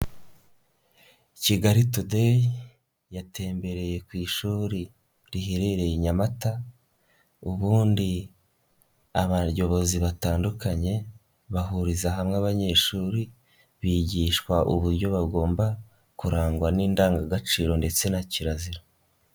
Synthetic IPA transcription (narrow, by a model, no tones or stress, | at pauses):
iciɡaɾitude | jate̞ːmbe̞ɾe̞je̞kwiːʃuːɾi | ɾiɦeɾeɾe̞jiɲamata | uβuːndi | aβaɾjo̞βo̞ziβataːndukaɲe̞ | βaɦuɾizaɦamŋaβaɲe̞ʃuːɾi | βiɟiːʃkwaʔuβuɾɟo̞βaɡo̞ːmba | kuɾaːŋɡwaniːndaːŋɡaɡat͡ʃiːɾo̞nde̞t͡se̞naciɾaziɾo